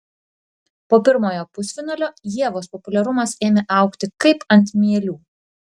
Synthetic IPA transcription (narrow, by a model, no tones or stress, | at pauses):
poːpʲɪɾmoːjoːpʊsʲʋʲɪnoːlʲoːjiɛʋoːspɔpʊlʲɛɾʊmɐseːmʲeʔɐˑʊkt̪ʲɪkɐɪpɐnʲt̪ʲmʲiɛlʲuː